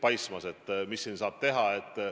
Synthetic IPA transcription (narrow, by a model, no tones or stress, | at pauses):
pɑjsmɑse̞t̪ːˑmisːiːnsɑːb̥̚t̪e̞ɦɑe̞t̪ːˑ